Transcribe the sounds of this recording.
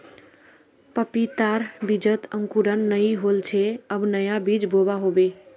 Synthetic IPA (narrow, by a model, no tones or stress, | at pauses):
pəpit̪aɾbid͡ʒət̪əŋkuɾənːəiɦolt͡ʃʰeəbnəjabid͡ʒbobaɦobe